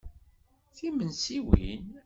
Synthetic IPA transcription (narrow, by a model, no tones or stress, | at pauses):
θimənsiwḭn